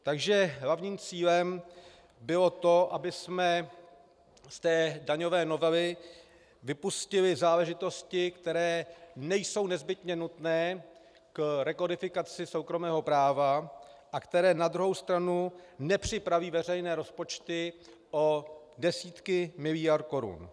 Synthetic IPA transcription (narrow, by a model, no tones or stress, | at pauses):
t̪aɡʒɛɦlavɲiːmt͡siːlɛm | bɪlo̞t̪o̞ʔabɪsmɛ | st̪ɛːdaɲo̞vɛːno̞vɛlɪ | vɪpuscɪlɪzaːlɛʒɪt̪o̞scɪkt̪ɛɾɛːnɛjso̞wnɛzbɪt̪ɲɛnut̪nɛː | kɾɛkodɪfɪkat͡sɪso̞wkɾo̞mɛːɦo̞pɾaːvaʔakt̪ɛɾɛːnad̪ɾuɦo̞wst̪ɾanunɛpr̝̥ɪpɾaviːvɛrɛjnɛːɾo̞spo̞t͡ʃt̪ɪ | ʔo̞ | dɛsiːt̪kɪmɪlɪjaɾt̪̚ko̞ɾṵn